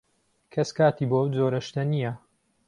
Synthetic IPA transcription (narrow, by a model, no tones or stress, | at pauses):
kʰɐskaːt̪iːbowd͡zoːɾɐʃt̪ɐnijɐ